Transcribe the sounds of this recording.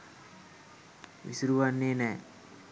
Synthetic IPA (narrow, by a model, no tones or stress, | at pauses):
ʋḭsuɾuʋanːeːnɛː